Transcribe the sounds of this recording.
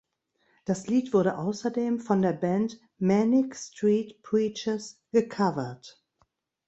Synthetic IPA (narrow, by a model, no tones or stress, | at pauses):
d̥asliːtv̥ʊɐɾəʔaʊsɐdeːmfɔ̃ndeːɐbɛ̃nt | mɛnɪkstɹiːtpʰɹiːt͡ʃəsɡ̥əkʰavɐt